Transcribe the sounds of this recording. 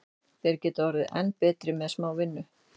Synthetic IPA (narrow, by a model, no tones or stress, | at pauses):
θɛɾcɛːt̪avɔɾɪðɛ̰nːpɛːt̪ɾɪmɛðsmaːwvɪnːʏ